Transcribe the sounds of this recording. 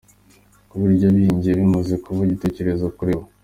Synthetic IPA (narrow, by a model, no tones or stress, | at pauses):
uβuɾɟaβiɲɟieβimozikuβuɟite̞ce̞ɾe̞zokuɾewo